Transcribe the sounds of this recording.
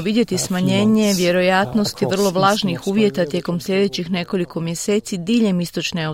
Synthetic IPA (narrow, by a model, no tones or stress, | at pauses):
ʋid̪je̞t̪ismaɲe̞ːɲe̞ʋje̞ɾo̞jat̪no̞st̪iʋr̩lˠo̞ʋlˠaːʒnixuːʋje̞t̪at̪jeko̞msʎʲe̞d̪e̞t͡ɕixne̞ko̞liko̞mje̞se̞ːt̪sid̪iːʎe̞mist̪o̞t͡ʃnea